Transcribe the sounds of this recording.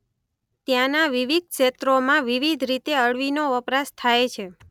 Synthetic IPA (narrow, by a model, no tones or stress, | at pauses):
t̪jãnaʋiʋid̪̚kʃet̪ɾomãʋiʋid̪ʱɾit̪eəɭʋinoʋəpɾast̪ʰajt͡ʃʰe